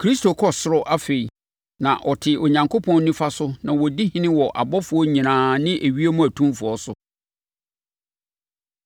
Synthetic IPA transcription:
kʰɾi˦stʰo˨kʰɔ˦sʊ˦ɾɔ˦ʔa˦fe˨i˨ | nã̰˨ʔɔ˨tʰɪ˨o˨ɲã˨ŋkʰo˦pʰɔ̃˦nː˦ũ˦fa˦sʊ˦nã˨wɔ˨di˦hĩ˦nɪ̃˦wɔ˨ʔa̰˨bɔ˦fʊ˨ɔ˦ɲĩ˨nãː˨˦nɪ̃˦ʔæ˨ɥi˦e˦mũ˦æ˨tʰũ˦mfʊ˨ɔ˦sʊ˨

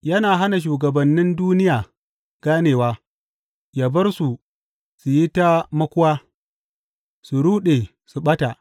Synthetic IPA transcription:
jɐ˦naː˨ɦa˦na˨ʃ̬uː˨ɡɐ˨bɐ˨nːɪ˦nduː˦nɪ˦jaː˨ | ɡ̥aː˦neː˨waː˦ | jaː˨bɐ˦rsu˨ | su˨ji˦ta˦mɐ˦kʷʊ˦waː˦ | su˨ɾuː˦ɗeː˨ | su˨ɓɐ˦ta˨ʔ

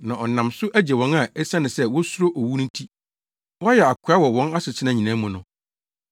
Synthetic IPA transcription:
nã˨ʔɔ˨nã˨msʊ˦ʔæ˦d͡ʑɛ˨wɔ̃˦na˨e˦sã˦nɪ̃˨sɛ˦wɔ˦su˦ɾo˦ʔo˨wu˦nʊ̃˦n˦tʰi˦ | wɔ˦jɛ˨a˨kʷʰa˦wɔ˨wɔ̃˦na˦sʊ˨t͡ɕʰɪ˦nã˨ɲĩ˨nã˨˦mũ˨nʊ̃˨

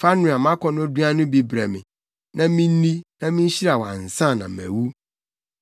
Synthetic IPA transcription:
fa˦nʊ̃˨a˨mã˦kʰɔ̃˨nʊ̃˦du˦a˦nʊ̃˦bi˨bɾɛ˨mɪ̰̃˨ | nã˦mĩ˦n˦nĩ˦nã˦mĩ˦n˦ɕi˦ɾa˨wa̰˨n̩˨sã˦˨nã̰˨mɛ̰̃˨wu˦

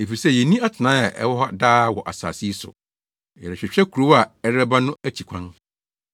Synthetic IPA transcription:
e˨fi˨i˨sɛ˦˨jɛ˨nĩ˦a˦tʰɪ˨nã˨˦a˨ʔɛ̰˦wɔ˦ɦɔ˦daː˦wɔ˨ʔa̰˨sa̰ː˨si˦sʊ̰˨ | jɛ˨ɾɛ˨ɕᶣɪ˨ɕᶣɛ˦kʰu˨ɾo˦wa˨ɛ˦ɛ˦ba˦nʊ̃˦æ˦t͡ɕʰi˨kʷʰã˦n

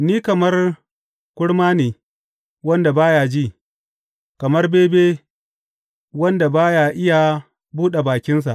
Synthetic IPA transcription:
niː˦kɐ˨mɐ˦r | kʷʊ˦ɽmaː˦neː˨ | wɐ˦nda˨baː˦jaː˨d͡ʒiː˦˨ | kɐ˨mɐ˦rbeː˦beː˦ | wɐ˦nda˨baː˦jaː˨ʔɪ˦ja˨ | buː˦ɗe˨baː˨kʲɪ˦ns̬a˨ʔ

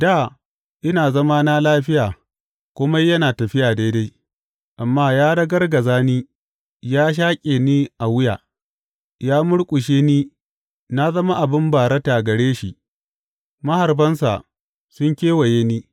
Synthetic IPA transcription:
daː˦˨ | ʔɪ˦naː˨zɐ˦ma˦na˦laː˦ɸɪ˦jaː˨ | kʷʊ˦ma˦jɐ˦naː˨tɐ˨ɸɪ˦jaː˨da˦da˦j | ʔa˨mːaː˦jaː˦ɽɐ˦ɡɐ˦rɡɐ˨zaː˦niː˦ | jaː˦ʃ̬aː˦kʲʼeː˨niː˦ʔa˨wʊ˦jaː˨ | jaː˦mʊ˦ɽkʷʼʊ˨ʃeː˦niː˦ | na˦zɐ˦ma˦ʔa˨bɪ˦mbaː˨ɾɐ˦ta˨ɡɐ˨ɽeː˦ʃḭ˨ʔ | mɐ˦ha˨rbɐ˦nsa̰˨ | sʊ˦ŋkʲeː˦wɐ˨jeː˦niː˦

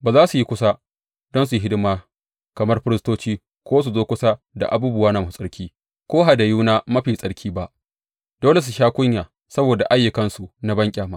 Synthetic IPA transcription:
baː˨zaː˦su˨ji˦kʷʊ˦sa˦ | dɔ˦ns̬u˨i˦ɦɪ˦dɪ˦maː˦ | kɐ˨mɐ˦rɸɪ˦ɾɪ˦stoː˦t͡ʃiː˦ | kʷoː˦s̬u˨zoː˦kʷʊ˦sa˦ | da̰˨ʔa̰˨buː˦bʊ˦waː˦naː˨ma˨su˨sʼɐ˦ɾkʲiː˦ | kʷoː˦ɦa˨da˨juː˦naː˦mɐ˦ɸiː˨sʼɐ˦ɽkʲʰiː˦ba˦ʔ | d̥oː˦le˨s̬u˨ʃaː˦kʷʊ˦ɲjaː˨ | sɐ˦boː˨da̰˨ʔa˦jːʊ˨kɐ˦nsu˨na˨bɐ˦ŋkʲʼaː˨maː˦

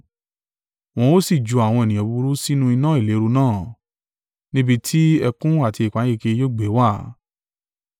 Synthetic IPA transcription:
w̃ɔ̃˧o˦si˦˨d͡ʒu˧a˨w̃ɔ̃˧e˨nĩ˨ɔ̃˨bu˧ɾu˦si˦nũ˦i˧nã˦i˦˨le˨˦ɾu˧nãː˦˨ | nĩ˦bi˧tʰi˦ɛ˧kũ˦a˦˨ti˧i˨k͡pa˨˦e˦˧ke˧jo˦˨ɡ͡be˨˦wa˦˨˦

